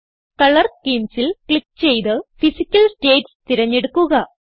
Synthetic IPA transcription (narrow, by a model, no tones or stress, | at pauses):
kɐɭɐrkeːmsilkɭik̚ːt͡ɕe̞jt̪ɨfisikʲːɐlsʈeːdst̪iɾɐɲːeɽukːuɣɐ